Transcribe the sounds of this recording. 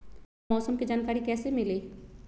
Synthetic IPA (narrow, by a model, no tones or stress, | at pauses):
ɔːsəmkid͡ʒaːnkaːɾikɛːsemɪleː